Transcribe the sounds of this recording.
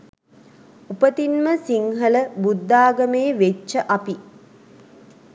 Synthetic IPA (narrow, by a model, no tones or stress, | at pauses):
upət̪inməsiŋɦələbud̪ːaːɡəmeːʋet͡ʃːəʔapi